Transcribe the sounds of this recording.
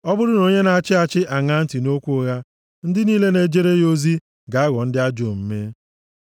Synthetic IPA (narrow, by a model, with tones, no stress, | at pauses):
ɔ˦bʊ˦ɾʊ˦no˦ɲe˦na˦t͡ʃɪ˦a˦t͡ʃɪ˦ʔa˨ŋa˦n̩˦tɪ˨no˦kʷu˦ɣa˦ | n̩˦dɪ˦niː˦le˦ne˦d͡ʒe˦ɾe˦jo˦zi˦ | ɡa˨a˦ɣɔ˨n̩˦dɪ˦a˦d͡ʒo˨m̩˦me˦